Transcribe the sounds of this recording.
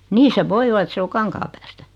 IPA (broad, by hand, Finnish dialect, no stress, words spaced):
niː se ʋoi olɑ et se o kɑŋkɑːpæːstæ